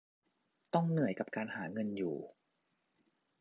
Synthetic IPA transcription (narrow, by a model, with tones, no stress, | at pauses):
t̪ɔ˥˩ŋnɯ˨˩əjka˨˩p̚kaː˧nhaː˩˦ŋɤ˧njuː˨˩